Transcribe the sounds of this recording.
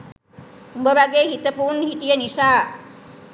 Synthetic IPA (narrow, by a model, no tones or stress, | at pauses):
umbəʋaɡeːɦit̪əpuɾɳəɦit̪ijənisaː